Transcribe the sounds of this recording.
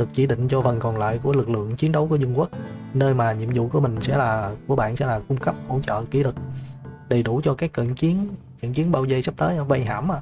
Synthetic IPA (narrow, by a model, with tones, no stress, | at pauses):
ɗɨ˨˩k̚t͡ɕi˧˩˦ɗḭ̈˧˨ŋ̟t͡ɕɔ˧və˨˩nkɔ˨˩nla̰ː˧˨jku˧˩əlɨ˨˩k̚lɨ̰˧˨əŋt͡ɕi˨˦ənɗə˨˦wku˧˩əzwə˧ŋkwə˦˥k̚ | nəː˧jmaː˨˩ɲḭ˧˨əmzṵ˧˨ku˨˧˩əmï˨˩ŋ̟sɛ̰˧˥laː˨˩ku˧˩əɓa̰ː˧˨nsɛ̰˧˥laː˨˩kʊ˧ŋ͡mkə˦˥p̚ho̰˧˥t͡ɕə̰ː˧˨ki˧˦lɨ˨˩k̚ɗə˨˩jɗu˧˩t͡ɕɔ˧kaː˦˥kkə̰˧˨nt͡ɕi˨˦ən | kə̰˧˨ŋki˨˦ənɓaː˧wzə˧jsa˦˥p̚t̪əː˨˦˧va˧jɦa̰ː˧˩mʔa˧˨